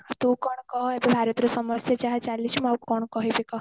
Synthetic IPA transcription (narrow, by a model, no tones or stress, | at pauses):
t̪ũkɔɳ̃kɔɦɔebebʱaɾət̪ɾɔsɔməsjad͡ʒaɦat͡ʃalit͡ʃmaukɔɳ̃kɔɦebikɔɦ